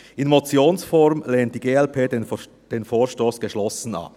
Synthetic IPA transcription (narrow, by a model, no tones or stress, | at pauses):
ɪnmot͡sjoːnsfɔʁmleːnt̚d̥iːɡeːɛlpʰeː | d̥eːnfoːɐʃtoːsɡ̥əʃlɔsn̩ɑ̰p